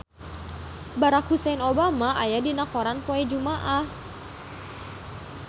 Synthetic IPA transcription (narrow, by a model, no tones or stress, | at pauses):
baɾakhusɛnobamaʔajadinakoɾanpoɛd͡ʒumaʔah